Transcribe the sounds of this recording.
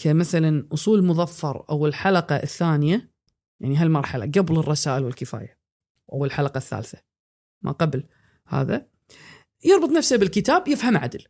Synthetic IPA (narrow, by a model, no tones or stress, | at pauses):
kʰamaθalanʔʊsˤuːlmʊðˤɑfːɑɾˤʔa̰wɪlħalɑqɑʔθːaːnɪja | jaʕniɦalmɑɾˤħala̰ɡablɪrˤːɑsaːʔɪlwɪlkɪfa̰ːja | ʔawːalħalɑqɑθːa̰ːlθḁ | mʔa̰qɑbl | ha̰ːða | jɑɾˤbɨt̪ˤnafsabɪlkɪt̪aːbjɪfhamʕa̰d̪l